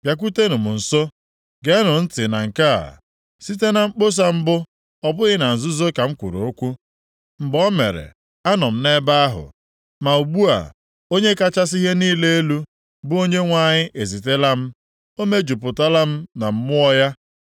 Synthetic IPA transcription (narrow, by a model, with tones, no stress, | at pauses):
b̥ʲja˨k̬u˦te˦nʊ˨mʊ˨n̩˨so˦ | ɡe˦nʊ˨n̩˦tɪ˨na˨ŋ̩˨ka̰˦˨ | si˦te˦na˨ŋ͡m̩˦k͡po˦s̬a˦m̩˦bʊ˦ | ɔ˦bʊ˦ɣɪ˦na˨n̩˨zʊ˦zo˦ka˨ŋ͡m̩˦kʷṵ˨ɾo˨o˦kʷu˦ | m̩˨bɔ˦me˨ɾḛ˨ | a˦nɔ˨m̩˦ne˦ba˦a˦ɦʊ̰˨ | ma˨u˨ɡ͡bu˦a̰˨ | o˦ɲe˦ka˦t͡ʃa˦s̬i˦ɦe˦niː˦le˦e˦lu˦ | bʊ˦o˦ɲe˦ŋʷa˦ɲɪ˦ʔe˨zi˨te˦la˦m̩˦ | o˦me˦d͡ʒu˨pʊ˨ta˦la˦m̩˦na˨m̩˦mʊ˦ɔ˦ja˦